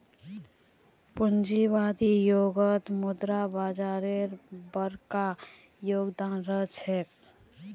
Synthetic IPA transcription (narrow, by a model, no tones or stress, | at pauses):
pʊnd͡ʒibaːd̪ijoːɡət̪mʊd̪ɾabaːd͡ʒaːɾeɾbəɾka | joːɡd̪aːnɾət͡ʃʰɛk